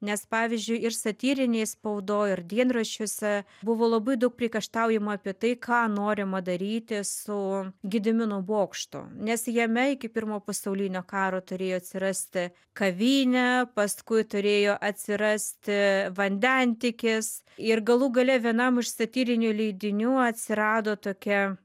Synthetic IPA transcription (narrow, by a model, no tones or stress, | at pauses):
nʲɛspɑːʋʲɪzʲd͡ʒʲʊɪɪrsɐt̪ʲiːɾʲɪnʲeːspɐʊd̪oːɪrd̪ʲiɛnrɐʃʲoːsʲɛ | bʊʋoːlˠɐbɐɪd̪ɐʊk̚pʲɾʲikɐʃt̪ɑʊjɛmɐɐpʲiɛt̪ɐɪkʰɑːnoːɾʲɪmɐd̪ɐɾʲiːt̪ʲɪsʊɡʲɪd̪ʲɪmʲɪnʊboːkʃt̪ʊ̰nʲɛsjɛmʲɛɪkʲɪpʲɪrmoːpɐsɐʊlʲɪnʲoːkɑːɾoːt̪ʊɾʲeːjoːɐtʲsʲɪɾɑsʲt̪ʲɪ | kɐʋʲiːnʲɛpɐskʊɪt̪ʊɾʲeːjoːʔɐt̪ʲsʲɪɾɐsʲt̪ʲɪʋɐnʲd̪ʲɛnʲt̪ʲɪkʲɪs | ɪrɡɐlˠuɡɐlʲɛʋʲiɛnɐmɪʃsɐt̪ʲiːɾʲɪnʲulʲɛɪd̪ʲɪnʲuːɐt̪ʲsʲɪɾɑːd̪oːt̪oːkʲɛ